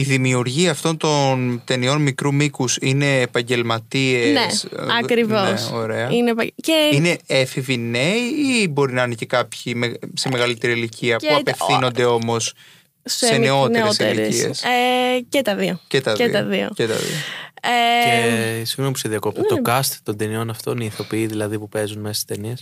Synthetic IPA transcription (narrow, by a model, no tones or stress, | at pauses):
iðimiuɾʝiɐːft̪o̞nt̪o̞nt̪e̞nio̞nmikɾumikusine̞ːpɐɲɟe̞lmɐt̪ienesɐkɾivoeso̞ɾe̞ɐinepɐceine̞efivineiibo̞ɾinɐɐnece̞kɐpçimese̞me̞ɣɐlit̪e̞ɾiliciɐpuɐpe̞fθino̞nd̪e̞o̞mo̞s | sseneot̪otseieiḛsecet̪ɐðiocet̪ɐðeɐðio̰cet̪ɐ̰ðḭoeesiɣopu̥seðiɐkopt̪ɐt̪okɐst̪t̪ond̪enio̞nɐft̪oniθo̞piiðilɐðipupe̞zunmesi̥st̪enies